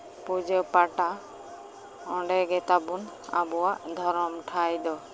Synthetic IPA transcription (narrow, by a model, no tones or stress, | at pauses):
pud͡ʒepaʈa | ɔɳɖɛɡɛt̪abuna̰buwaʔd̪ʱɔɾɔmʈʰajd̪ɔ